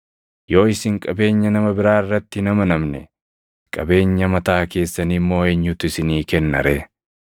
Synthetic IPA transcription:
jo̞ːɪsɪŋkʼɐbe̞ːɲːɐnɐmɐbɪɾaːɪrːɐt̪ːɪnɐmɐnɐmnɛ̰ | kʼɐbe̞ːɲːɐmɐt̪aːke̞ːsːɐnimːo̞ːeːɲːʊt̪ʊɪsɪniːkɛnːɐ̰ɾeː

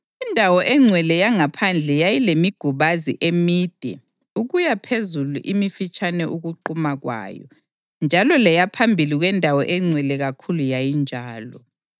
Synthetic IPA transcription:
indʱawɔʔɛŋ͡ǀʱwɛlɛjaŋapʰand͡ɮʱɛjajilemiɡ̥ʱuβazḭʔemiːd̥ʱɛ̰ | uɣujapʰezulṵʔimifit͡ʃʼanɛʔuɣuǃumaɣwa̰ːjɔ̰ | nd͡ʒʱalɔlɛjapʰambʱiliɣwɛndʱawɔʔɛŋ͡ǀʱwɛlɛɣakʰulujajind͡ʒʱaːlɔ

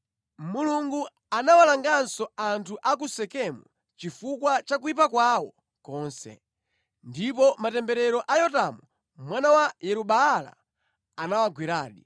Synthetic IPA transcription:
muluŋɡu | anawalaŋɡansɔantʰuʔak̬usɛkɛmṵ | t͡ʃifukwat͡ʃakuipakwawɔ | kɔːnsɛ̰ | ndip̬ɔmatɛmbɛɾɛɾɔʔajɔtamu | mwanawajɛɾuɓaːla̰ː | nawaɡwiɾa̰ːɗi

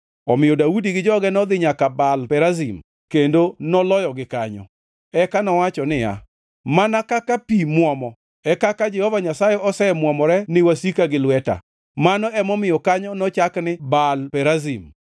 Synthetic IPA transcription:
ɔmɪjɔdaudiɡɪd͡ʒɔɡɛnɔd̪ɪɲakabalpɛɾazim | kendonɔlɔjɔɡɪkaɲɔ̰ | ɛkanɔwat͡ʃɔnɪja̰ | manakakapimwɔmɔ | ɛkakad͡ʒɛhɔvaɲasajɛʔɔsɛmwɔmɔɾɛnɪwasikaɡɪlwɛta̰ | manɔɛmɔmɪjɔkaɲɔnɔt͡ʃaknɪbalpɛɾazim

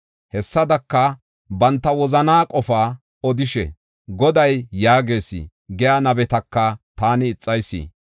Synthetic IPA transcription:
hɛsːɐd̪ɐkːɐ | bɐnt̪ːɐwɔzɐnaːkʼɔfaː | ɔd̪ɪʃɛ̰ | ɡɔd̪ɐjːaːɡe̞ːsḭ | ɡɛjaːnɐbɛt̪ɐkːɐt̪aːnɪːt͡sʼːɐjsːḭː

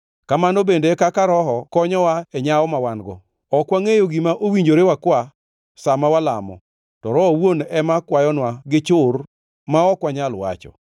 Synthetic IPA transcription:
kamanobendekakaɾɔɦɔkɔɲɔwaɛɲaɔmawanɡɔ̰ | ɔkwaŋejoɡimaʔowiɲd͡ʒoɾewakwa | samawala̰mɔ̰ | tɔɾɔɔwonɛmakwajɔnwaɡɪt͡ʃʊr | maɔkwaɲalwa̰t͡ʃɔ̰

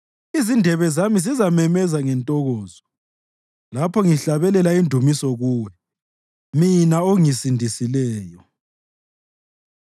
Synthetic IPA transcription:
izindʱɛβɛzamisizamɛmɛzaŋɛntʼɔɣɔːzɔ | lapʰɔŋiɬaβɛlɛlaindʱumisɔɣuːwɛ | minaoŋisindʱisilɛːjɔ

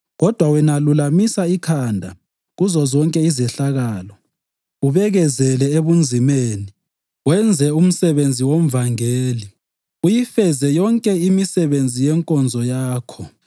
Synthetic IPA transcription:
ɣɔd̥ʱwawɛnalulamisaikʰandʱa | ɣuzɔzɔŋkʼɛizɛɬaɣaːlɔ | uβɛɣɛzɛlɛeβund͡zʱimeːni | wɛnd͡zʱɛum̩sɛβend͡zʱiwom̩vaŋeːli | ujifɛzɛjɔŋkʼɛimisɛβend͡zʱijɛŋkʼɔnd͡zʱɔjaːkʰɔ

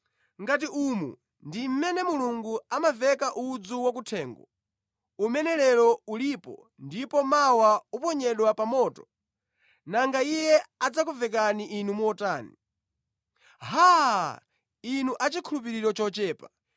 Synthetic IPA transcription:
ŋɡat̬iʔumṵ | ndim̩mɛnɛmuluŋɡuamavɛkaʔud͡zuwak̬utʰɛːŋɡɔ | umɛnɛlɛɾɔulipɔ̰ | ndipɔmawaupɔɲɛɗwapamɔːtɔ | naŋɡaijɛad͡zakuvɛk̬aniʔinumuɔtaːni | ɦa | inuʔat͡ʃikʰulup̬iɾiɾɔt͡ʃɔt͡ʃɛːpa

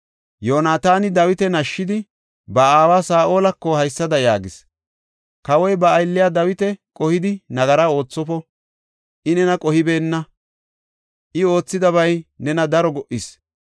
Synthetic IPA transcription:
joːnaːt̪aːnɪd̪ɐwɪt̪ɛnɐʃːɪd̪ɪ | bɐaːwaːsaːʔo̞ːlɐkːɔhɐjsːɐd̪ɐjaːɡɪs | kɐwɔjbɐːjlːɪjaːd̪ɐwɪt̪ɛkʼɔhɪd̪ɪnɐɡɐɾao̞ːt͡sːɔpɔ | ʔɪnɛnɐkʼɔhɪbe̞ːnːɐ | ʔɪo̞ːt͡sːɪd̪ɐβɐjnɛnɐd̪ɐɾɔɡɔʔɪs

